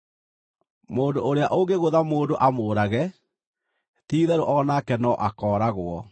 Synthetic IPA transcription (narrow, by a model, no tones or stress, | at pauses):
moːndoʔoɾeaʔoŋɡeɣoðamoːndoʔamoːɾaɣɛ | tiːðɛɾoʔɔnakɛnɔʔakɔːɾaɣwɔ